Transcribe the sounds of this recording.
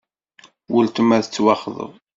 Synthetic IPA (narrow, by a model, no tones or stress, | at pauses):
wəlt̪əmæðət͡sːwɑχðˤə̰ðˤ